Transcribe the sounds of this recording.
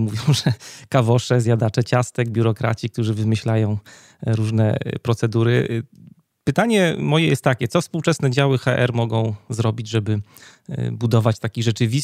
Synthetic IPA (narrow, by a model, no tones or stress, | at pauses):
muvʲjɔ̃w̃ʐɛkavɔʂɛzʲjad̪at͡ʂɛt͡ɕast̪ɛɡbʲjuɾɔkɾa̰t͡ɕik̚t̪uʐɘvɘmɘɕlajɔ̃w̃ | ɾuʐnɛ̰pɾɔt̪sɛd̪uɾɘ | pɘt̪aɲɛmɔjɛjɛ̰st̪ːakʲɛt̪sɔfspuwt͡ʂɛsnɛd͡ʑawɘxaʔɛ̰ɾmɔɡɔ̃w̃zɾɔbʲid͡ʑʐɛbɘ | bud̪ɔvat͡ɕt̪akʲiʐɛt͡ʂɘvʲis